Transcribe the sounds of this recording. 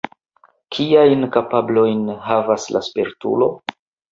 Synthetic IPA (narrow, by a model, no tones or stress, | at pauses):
kʰiajnkapablo̞jnɦavasla̰speɾtṵlo̞